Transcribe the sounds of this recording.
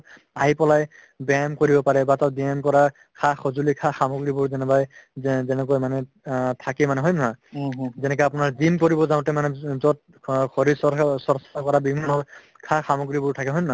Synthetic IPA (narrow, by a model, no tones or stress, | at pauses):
aɦipɔlaj | bamkoɹibɔpaɹɛbatadiɛmkɔɹa | kʰaxɔzulikʰaxamoɡɹibuɹzɛnɛbajzɛnɛkɔjmanɛ | tʰakɛmanɛɦɔjmnazɛnɛkɔjap̬ʊnaɹzimkoɹibɔzaw̃ʊ̃tɛmanɛzɔt̚ | kʰɔɹisɔsɔɹsakɔɹabimanɔɹ | kʰaxamoɡɹibʊɹtʰakɛɦɔjmna